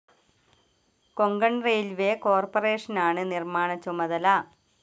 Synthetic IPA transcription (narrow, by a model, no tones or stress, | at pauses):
koŋɡɐɳrejlʋeko̞ːrpɐreːʂɐnaːɳɨnirmaːɳɐt͡ɕːumɐðɐlɐ